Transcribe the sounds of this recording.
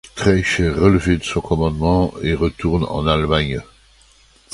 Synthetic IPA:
t̪χɛʃɛʁələved̪əsɔ̃kɔmɑ̃d̪mɑ̃eʁət̪uʁnɑ̰̃nalmaɲ

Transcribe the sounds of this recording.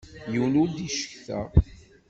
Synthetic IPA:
jəwnʊɾd̪iʃə̥çθæ̰

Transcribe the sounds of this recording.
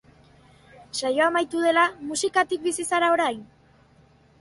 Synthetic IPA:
sajo̞amajt̪uð̞e̞lamusikat̪ik̚bisisaɾao̞ɾajn

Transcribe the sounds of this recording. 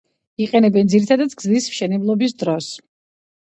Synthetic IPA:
iqʼɛnɛbɛnd̪ziɾit̪ʰad̪ad̪ɡzlismʃɛnɛblˠɔbis̬d̪ɾɔs

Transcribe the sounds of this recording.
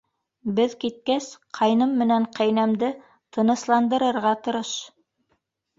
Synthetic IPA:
bɘðkit̪̚kæsqʰɑjnɤmːɘ̆næɴqæjnæmd̪ɘ | t̪ʰɤ̆nɤ̆slˠɑnd̪ɤ̆ɾɤ̆ɾʁɑt̪ŏɾɤʃ

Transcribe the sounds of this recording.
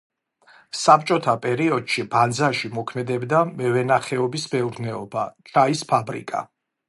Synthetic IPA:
sap̚t͡ʃʼɔt̪ʰapʼɛɾiɔd̪̥ʃiband̪zaʃimɔkʰmɛd̪ɛbd̪amɛvɛnaχɛɔbisbɛuɾd̪nɛɔbat͡ʃʼaispʰabɾḭkʼa̰

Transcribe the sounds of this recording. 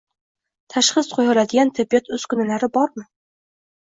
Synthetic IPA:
t̪ʰaʃχɨsqʰojɒlad̪ɪɡʲant̪ʰebijɒt̪ʰɵz̥kʊnalaɾɪbɒɾmɪ

